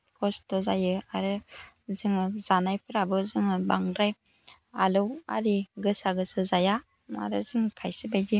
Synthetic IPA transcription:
kʰɔstɔzajɯaɾɯ | zɯŋɯzanajpʰɯɾabɯzɯŋɯbaŋɾaj | alɯwa̰ɾiɡɯsaɡɯsɯzaja | a̰ɾɯzɯŋkʰajsibajɡi

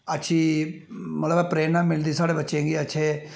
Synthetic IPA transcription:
ətːʃʰiː | mət̪ləbɛːpɾeːnãːmɪld̪iːsaːɽeːbətːʃẽːŋɡeːətːʃʰeː

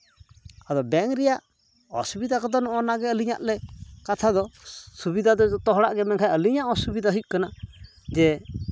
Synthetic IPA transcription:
ad̪ɔbɛŋɾɛjaʔ | ɔsubid̪akɔd̪ɔnɔʔɔnaɡɛəliɲa̰ʔlɛkat̪ʰad̪ɔsubid̪ad̪ɔɔt̪ɔɦɔɽa̰ʔɡɛmɛŋkʰajəliɲaʔɔsubid̪aɦuc̚kana | d͡ʒɛ

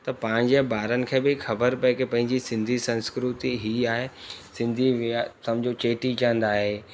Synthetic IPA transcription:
t̪ɐpãːɪ̃ɲd͡ʑebaːɾənɪ̆kʰẽːbɪxɐbəɾpɐ̃kepɐ̃ɦɪ̃ɲd͡ʑisɪ̃nd̪ʱisɐ̃nskɾut̪iɦiaːɦesɪ̃nd̪ʱiʋsɐ̃md͡ʑʱot͡ɕeːʈit͡ɕaə̃nd̪aːɦeː

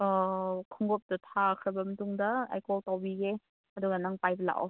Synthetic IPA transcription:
kʰɯŋɡɔp̚datʰakʰɐbɐmɐtuŋdɐa̰jkɔltawbiɡe | ɐduɡanaŋpajbɐla̰ʔ

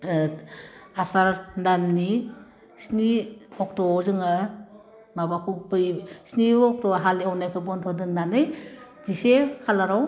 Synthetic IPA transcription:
asaɾndanːi | sniɔk̚tɔbzɯŋa | mabakʰupɯjsniɔk̚tɔɦaliawnajkʰɯbɔntʰɔdɯnnanɯjdisekʰalaɾaw

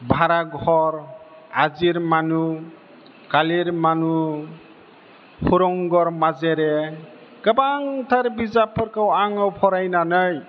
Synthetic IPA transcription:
bʱaɾaɡʱɔɾ | aziɾmanu | kaliɾmanu | huɾɔŋɡɔɾmazeɾɛ | kəbaŋt̪ʰaɾbizapʰːɯɾkʰawaŋɯwpʰɔɾajnanɯj

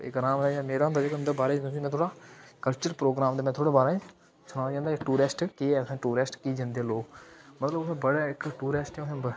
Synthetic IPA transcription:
ɪ̰kɾaːmejaːmeːɾaːnd̪aːd͡ʒeːknd̪eːbaːɾẽːd̪ũːsimɛ̃ːt̪ʰoːɽaːkəlt͡ʃəɾpɾoːɡɾaːmd̪eːmɛ̃ːt̪ʰoːɽeːbaːɾːĩ | sʊnaːd͡ʒãːnd̪aːɪkʈuːɾɪsʈkeɛːʊsẽːʈuːɾɪsʈkiːd͡ʒãːnd̪eːloːkmət̪ləbʊsẽːbəɽaːɪkʈuːɾɪsʈɛ̃ʊsẽː

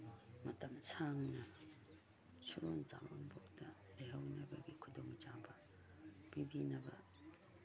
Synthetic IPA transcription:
mɐtɐmsʰaŋnɐ | suɾond͡ʒa̰monboktɐ | leɦɐwnɐbɐɡikʰuduŋd͡ʒabɐ | b̥ibinɐbɐ

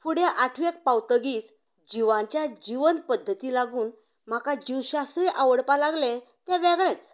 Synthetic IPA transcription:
fuɽjaʔaʈʰʋek̚pawt̪əɡiːt͡s | d͡ʑiʋãɲt͡ɕjad͡ʑiʋənpəd̪ʱːət̪iːlaɡuːn | m̤akad͡ʑiwɕast̪ɾiʔaʋəɽpalaɡlẽ | t̪ɛ̃ʋɛɡɭɛ̃t͡s

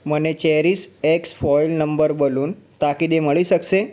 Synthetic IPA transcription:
mənet͡ɕeɾiːseksfɔjlnəmbəɾboluːnt̪akid̪eməɭiːsəkse

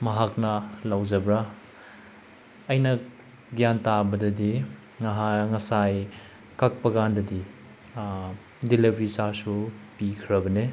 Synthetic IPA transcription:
mɐɦak̚nɐlawzɐbɾa | jnɐ | ɡjantabɐdɐdi | ŋɐɦaŋɐsaj | kak̚pɐɡandɐdi | dilebɾisasupikʰɾɐbɐne

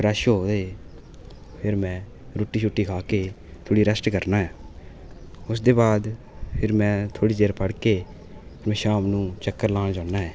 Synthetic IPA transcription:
pɾəʃɦoːd̪eː | pʰɪɾmɛ̃ː | ɾoːʈːiːt͡ʃʰuːʈːiːkʰaːkeː | t̪ʰoːɽiːɾəsʈkəɾnaːɦɛː | ʊsd̪eːbaːd̪ | pʰɪɾmɛ̃ːt̪ʰoːɽiːd͡ʒeːɾpəɽkeː | pʰɪɾmɛ̃ːʃaːmnũːt͡ʃəkːəɾlaːnd͡ʒãːnaːɦɛː

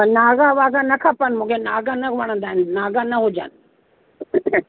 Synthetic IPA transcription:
ɐnaːɡaʋaːɡanɐkʰɐpənmũːkʰenaːɡanɐʋɐɽ̃ə̃nd̪aːɦɪnnaːɡanɐɦʊd͡ʑə̰nɪ

